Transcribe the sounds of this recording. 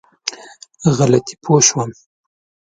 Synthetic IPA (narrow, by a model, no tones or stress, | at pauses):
ɣalat̪ʰi̥pʰoʃwam